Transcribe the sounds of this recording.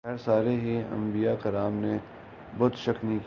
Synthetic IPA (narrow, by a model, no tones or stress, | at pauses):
ɛɾsaːɾeɦiɐ̰̃mbijakɐɾaːmne | bɔːt̪ʃɐknĩk